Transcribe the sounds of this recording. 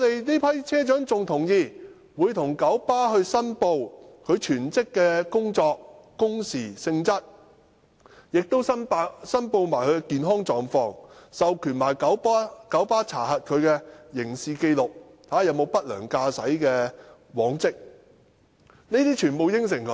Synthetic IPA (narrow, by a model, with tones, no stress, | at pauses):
ɔ˨˧t̪e˨jniː˥pʰɐ˥jt͡sʰɛː˥t͡ʃœː˨˥ŋt͡sʊ˨ŋt̪ʰʊ˨˩ŋjiː˧ | wuː˨˧jt̪ʰʊ˨˩ŋkɐ˨˥wpaː˥ɦɵ˧ɥsɐ˥npo˧wkʰɵ˨˧ɥt͡ʃʰyː˨˩nt͡sɪ˥kːɛː˧kʊ˥ŋt͡ʃɔː˧k̚kʊ˥ŋsiː˨˩sɪ˧ŋt͡sɐ˥t̚ | jɪ˨k̚t̪o˥wsɐ˥npːsɐ˥npo˧wmaː˨˩jkʰɵ˨˧ɥkɛ˧kiː˨˧nɦɔː˥ŋt͡ʃɔː˨˧ŋfɔː˧ŋsɐ˨wkʰyː˨˩nmaː˨˩jkɐ˨˥wpːkɐ˨˥wpaː˥t͡sʰaː˨˩ɦɐ˨t̚kʰɵ˨˧ɥkɛː˧jɪ˨˩ŋsiː˨˧ke˧jlʊ˨k̚ | t̪ʰaː˨˥jɐ˨˧wmo˨˧wpɐ˥t̚lœ̰ː˨˩ŋkaː˧sɐ˨˥jkɛː˧ | wɔː˨˥ŋt͡sɪ˥k̚ | niː˥t̪iː˥t͡ʃʰyː˨˩npo˨˧wjɪ˥ŋs̬ɪ˨˩ŋkʰɵ˨˥